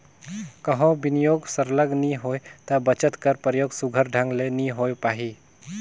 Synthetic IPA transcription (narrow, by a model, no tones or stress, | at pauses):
kəɦõbinijoːɡsəɾləɡniɦoet̪əbət͡ʃət̪kəɾpɾəjoːɡsuɡʱəɾɖʱə̃ŋɡleniɦojpaːɦi